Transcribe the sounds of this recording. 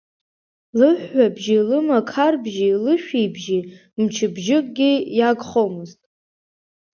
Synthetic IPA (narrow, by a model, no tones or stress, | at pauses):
lɨħːabʒilɨmakʰarbʒilɨʃᶣejbʒi | mt͡ʃʰɨbʒɪkʼɡʲijaɡʼχomɨztʼ